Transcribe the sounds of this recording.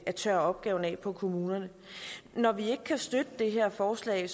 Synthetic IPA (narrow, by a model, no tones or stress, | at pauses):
æt͡sʰœɐɒ̽b̥̚ɡ̥ɛːʊn̩ɛ̰ːpʰɒ̽kʰo̝muːnɐnə | nɒʋie̝ɡ̥əkʰæsd̥ød̥əd̥e̝ɦe̝ɐ̰fɒːslɛ̰ɪ